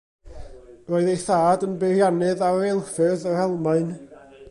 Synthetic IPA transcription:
roːɨðejθaːdənbɪrjanɨðaɛlˠfɨðərɛlˠmaɨn

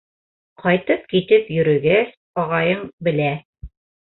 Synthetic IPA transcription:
qʰɑjt̪ɤp̚kit̪ɘpjɵ̆ɾɵ̆ɡæs | ɒʁɑjɤɴbɘ̆læ

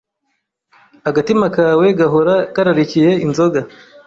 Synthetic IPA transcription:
aɡatimakaːwe̞ɡaɦoɾakaɾaɾicije̞inzo̞ɡa

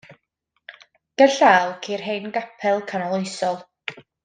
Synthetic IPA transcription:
ɡ̥əɬaːlˠkʰiːrɦejnɡapʰɛlˠkʰanɔlˠojsɔlˠ

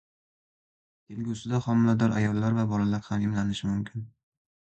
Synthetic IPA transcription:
t̪ʰelɡʲusɪd̪aχɒmɪlad̪ɒɾa̰jɒlˠːaɾvabɒlalaɾhamɪmlanɪʃɪmʊmkʲʰɪn

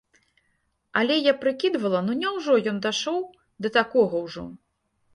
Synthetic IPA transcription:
alʲɛjapɾɨkʲid̪vɐlˠɐnunʲɛwʐɔjɔnd̪aʂɔw | d̪ɐt̪akɔɣɐwʐɔ̰

